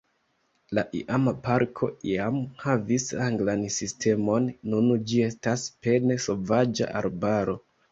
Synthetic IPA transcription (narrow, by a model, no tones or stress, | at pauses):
laʔḭʔamapaɾkʰo̞iamhavisaŋɡlansistʰe̞mo̞nːund͡ʒie̞staspe̞ne̞so̞vad͡ʒa̰ʔa̰ɾbaɾo̞